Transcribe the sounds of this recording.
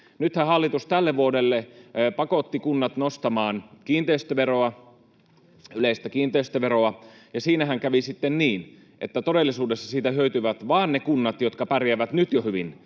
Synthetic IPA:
nyt̪hæhɑlːit̪ust̪ælːeʋʋuodelːepɑkot̪ːikunːɑt̪nost̪ɑmɑːnkiːnt̪eist̪øʋeroɑ | yleist̪ækiːnt̪eist̪øʋeɾoɑjɑsiːnæhæŋkæʋisit̪ːenniːn | ʔḛt̪ːæt̪odelːisuːdesːɑsiːt̪æhøyt̪yʋæt̪ʋɑːnnekunːɑt̪jot̪kɑpærjæʋæt̪nyt̪johyʋin

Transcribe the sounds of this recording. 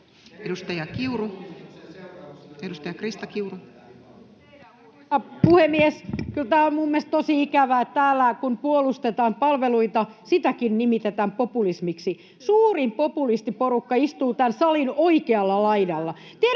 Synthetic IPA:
edust̪ɑjɑkiuru | edust̪ɑjɑkrist̪ɑkiuru | ɑpuhemːieskylt̪æːommumːest̪osiikæʋæːett̪æːlːækunpuolust̪et̪ɑːmpɑlʋeluit̪ɑ | sit̪ækinnimit̪et̪æmpopulismiksi | suːrimpopulist̪iporukːɑist̪uːt̪ænsɑlinoikeɑlːɑlɑinɑlːɑ | t̪ie

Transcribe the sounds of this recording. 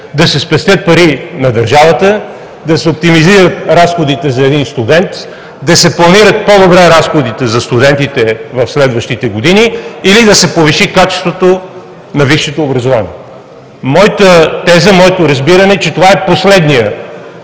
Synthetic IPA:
d̪ɐsɛspɛst̪ʲət̪̚pɐɾinɐd̪ɐɾʒavət̪ə | d̪ɐsɛop̚t̪imiziɾət̪ɾasxod̪it̪ɛzɐɛd̪inst̪ud̪ɛnt̪ | d̪ɐsɛplˠɐniɾət̪̚pod̪obɾɛɾasxod̪it̪ɛzɐst̪ud̪ɛnt̪it̪ɛvɐfslɛd̪vəʃt̪it̪ɛɡod̪iniːlid̪ɐsɛpoviʃikat͡ʃɛ̥st̪vot̪o | nɐviʃːɛt̪oːbɾɐzovanḭɛ | mɔjit̪ət̪ɛzəmɔjɛt̪oɾɐzbiɾɐnɛt͡ʃɛt̪ovaɛposlɛd̪nijə

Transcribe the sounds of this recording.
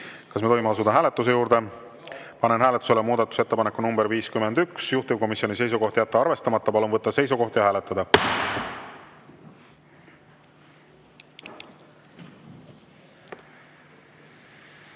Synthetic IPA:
kɑsmet̪ojmeɑs̬ud̪ɑɦæːle̞t̪ːˑus̬e̞juːɾd̪̥e̞ | pɑnenɦæːlet̪ːˑu̥selemuːd̪ɑt̪ːˑu̥set̪ːe̞pɑnekːˑunumbeɾviːskymːend̪yksjuht̪ub̥̚ko̞misjo̞nis̬e̞jsuɡo̞ht̪jæt̪ːeɑɾve̞st̪ɑmɑt̪ːɑpɑlonvɤt̪ːɑse̞jsuɡo̞ht̪jɑhæːle̞t̪ːɑd̪ɑ

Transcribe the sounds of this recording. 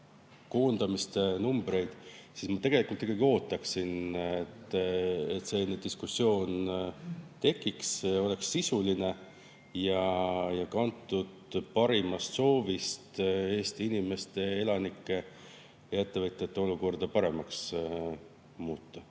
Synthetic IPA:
ko̞ːnd̪̥ɑmist̪enumb̥ɾe̞jd̪̥sismɑt̪e̞ɡ̥e̞likult̪ˑikːˑɑɡ̥io̞ːt̪ˑːɑksinet̪ːet̪se̞nːed̪iskusːio̞ːn | t̪e̞kːˑikseo̞le̞ksːisuline̞ | jɑjɑkɑnt̪ːˑud̪̥pɑɾimɑst̪so̞ːvist̪e̞ːst̪iinime̞st̪e̞e̞lɑnikːˑe̞ | jɑe̞t̪ːe̞vɤt̪ʲːˑjɑt̪ːe̞o̞luko̞rd̪̥ɑpɑɾe̞mɑks | muːt̪ːɑ

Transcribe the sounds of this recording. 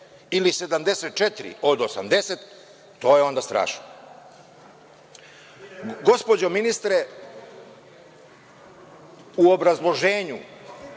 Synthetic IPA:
ilise̞d̪amd̪e̞set̪̚t͡ʃet̪iɾḭod̪osamd̪e̞set̪ː | o̞ːjeo̞nd̪ast̪ɾa̰ːʃno | ɡo̞spo̞d͡ʑo̞minist̪ɾe | uobɾazlˠo̞ʒe̞ːɲu

